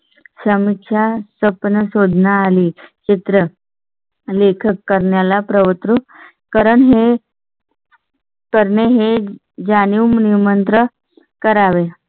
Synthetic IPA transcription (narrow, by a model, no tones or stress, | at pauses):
səmikʂʰasəpnəsod̪ʱnaːliːt͡ɕit̪ɾə | lekʰəkːəɾɳjalapɾəʋət̪ɾu | kəɾəɳɦe | kəɾɳeɦe | d͡ʑaniwmnimənt̪ɾə | kəɾaʋe